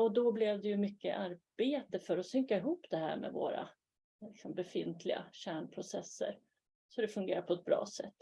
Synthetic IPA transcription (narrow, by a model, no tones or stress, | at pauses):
ɔd̪ɔblɛvd̪ɛjɵmʏkːə̰ʔaɾb̥eːt̪əfœɾɔsʏŋkaɪɦuːpd̪ɛɦæ̰ːɾmɛ̰vo̰ːɾa̰ | lɪksɔmbɛfɪnt̪ʰlɪɡa̰ɕæːɳpʰɾʊsɛsːə̰ɾ | sɔd̪ɛfɵŋɡeːɾaɾpʰɔɛt̪̚bɾɑ̰ːsɛ̰t̪ː